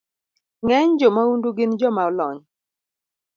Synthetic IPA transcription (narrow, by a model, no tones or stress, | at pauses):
ŋɛɲd͡ʒɔmaunduɡɪnd͡ʒɔmaɔlɔɲ